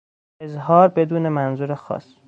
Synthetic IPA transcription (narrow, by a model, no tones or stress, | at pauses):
ezɦɒːɾbe̞d̪uːnemænzuɾexɒ̰ːs